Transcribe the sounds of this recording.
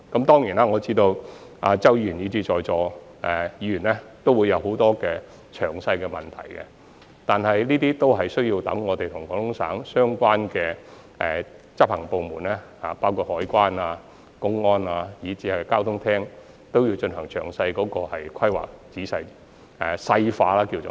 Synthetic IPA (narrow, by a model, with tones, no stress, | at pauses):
kɐ˨˥mt̪ɔː˥ŋjiː˨˩naː˥ŋɔː˨˧t͡siː˥t̪o˧wʔaː˧t͡sɐ˥wji˧y˨˩niː˨˧t͡siː˨˥t͡ʃɔː˨jt͡sɔː˨˧ | ɛ˨jiː˨˧˥jyː˨˩nɛ˥t̪o˥wuː˨˧jɐ˨˧wɦo˨˥wt̪ɔː˥kɛː˧ | t͡ʃʰœː˨˩ŋsɐ˧jkɛː˧mɐ˨˩nt̪ʰɐ̰˨˩jkɛ̰˧ | t̪aː˨nhɐ˨jniː˥t̪̬iː˥t̪o˥wɦɐ˨jsɥjiː˧wt̪ɐ̰˨˥ŋːɔː˨˧t̪e˨jt̪ʰʊ˨˩ŋkɔː˨˧˥ŋhʊ˥ŋsa̰ː˨˥ŋsœː˥ŋkʷaː˥nkɛː˧ | ɛ̰˨t͡sɐ˥p̚hɐ˨˩ŋpo˨wmuː˨˩nɛː˥ha̰ː˨˩paː˥wkʰuː˧t̚hɔː˨˥jkʷaː˥naː˧ | kʊ˥ŋːɔː˥naː˧jiː˨˥t͡siː˨˥hɐ˨˩kaː˥wt̪ʰʊ˥ŋt̪ʰɛː˥ŋ | t̪o˥wjiː˧wt͡ʃɵ˧nɦɐ˨˩ŋt͡ʃʰœː˨˩ŋsɐ˧jkɔː˨˧˥kɔː˧hɐ˨jkʰɐ˥jwa̰ː˨k̚t͡siː˨˥sɐ˧j | ɛː˨˩sɐ˧jfaː˧laː˥kiː˧wo̰˨